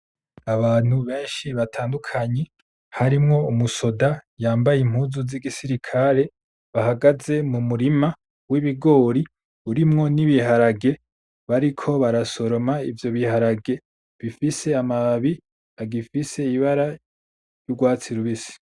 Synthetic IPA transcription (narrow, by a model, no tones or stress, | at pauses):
aβaːn̥huβe̞ːnʃiβatʰaːndukʰaɲe | haɾimŋo̞umuso̞dajaːmbajem̥huːzuziɡisiɾikʰaɾe̞ | βaɦaɡaze̞mumuɾima | wiβiɡo̞ːɾi | uɾimŋo̞niβiɦaɾaɡe̞ | βaɾikʰo̞βaɾaso̞ɾo̞maivjo̞βihaɾaɡe̞ | βifise̞amaβi | aɡifise̞iβaɾa | juɡwaːt͡siɾuβisi̥